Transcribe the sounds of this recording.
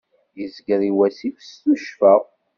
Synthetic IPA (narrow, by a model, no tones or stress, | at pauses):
jəzɡəɾiwæsifəsθuʃfæ